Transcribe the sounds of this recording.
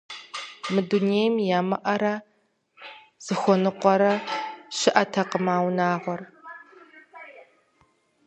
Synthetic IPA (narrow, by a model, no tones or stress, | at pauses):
mɨduneːjmjaːmɐʔɐɾɐ | z̥ɨxʷɔnɨqʷɔɾɐɕɪʔɐtʰɐqəmaːwnaːʁʷɔr